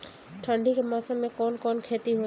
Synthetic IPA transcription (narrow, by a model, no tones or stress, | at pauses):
ʈʰə̃ɳɖikemaːsə̃mːẽkɔːnkɔːnkʰeːt̪iɦoː